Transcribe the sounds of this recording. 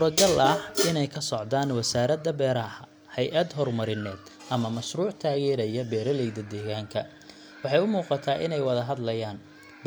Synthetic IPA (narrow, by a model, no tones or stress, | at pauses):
suːɾɐɡɐlɐhɪnɛjkʰɐsɔʕd̪aːnwɐsaːɾɐd̪ɐbɛːɾɐhɐ | hɛjʔɐd̪ɦɔrmɐɾɪnɛːd̪ | ʔɐmɐmɐʃruːʕt̪ʰaːɣɛːɾɐjɐbɛːɾɐlɛjðɐd̪ɛːɣaːŋkʰɐ | wɑħɑjʊmuːqɑt̪ʰaːʔɪnɛjwɐðɐɦɐd̪lɐjaːn | b